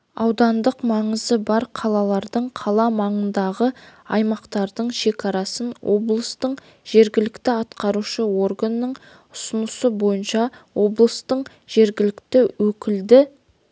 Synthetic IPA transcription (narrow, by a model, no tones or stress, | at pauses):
ɑwd̪ɑnd̪əqmɑɴəzəbɑɾqʰɑlˠɑlˠɑɾd̪əɴqʰɑlˠɑmɑɴənd̪ɑʁəɑ̰jmɑqt̪ɑɾd̪əɴʃe̞kɑɾɑsənwo̞blˠəst̪əɴ | ʒ̥e̞ɾɡʲɪlɪkt̪ɪɑt̪qɑɾuʃəwo̞rɡanːəɴ | ʊsʊnəsəbo̞jənʃɑwo̞blˠəst̪əq | ʒ̥e̞ɾɡʲɪlɪkt̪ɪwɵkʲɪld̪ɪ